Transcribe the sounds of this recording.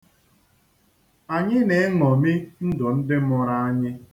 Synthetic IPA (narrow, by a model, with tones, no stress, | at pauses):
a˨ɲɪ˦ne˨˦ŋɔ˨mi˦n̩˦dʊ˨n̩˦dɪ˦mʊ˦ɾa˦a˦ɲɪ˦